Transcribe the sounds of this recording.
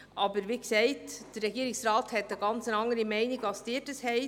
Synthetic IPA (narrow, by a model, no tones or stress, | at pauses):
ʔɑbəɾʋiːksɛɪtd̥əɾːɛɡiːɾɪksrɑːthɛtːəɡɑnt͡sənɑŋːəɾimɛɪniɡɑsd̥ɪːdəshɛɪ